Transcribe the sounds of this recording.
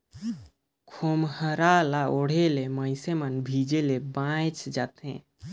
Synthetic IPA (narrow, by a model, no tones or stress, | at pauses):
kʰomhəɾalaoɽ̤eleməɪsemənbʱid͡ʒelebãjt͡ʃd͡ʒat̪ɦḛ̃